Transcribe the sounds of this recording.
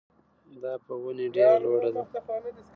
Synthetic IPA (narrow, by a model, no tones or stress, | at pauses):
d̪ɑpəɣuneɖeɾaloɽad̪a